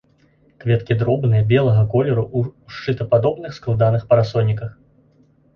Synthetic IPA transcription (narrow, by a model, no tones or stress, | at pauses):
kvʲɛt̪kʲid̪ɾɔbnɨjɐbʲɛlˠɐɣɐkɔlʲɛɾuʔuʂt͡ʂɨt̪ɐpad̪ɔbnɨxsklˠad̪anɨxpɐɾasɔnʲːikɐx